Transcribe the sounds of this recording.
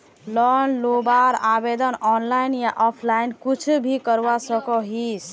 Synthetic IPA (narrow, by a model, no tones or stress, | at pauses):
lɔnlobaɾabed̪ənɔnlajnjaʔɔpʰlainkut͡ʃʰubʱikəɾwasəkɔɦis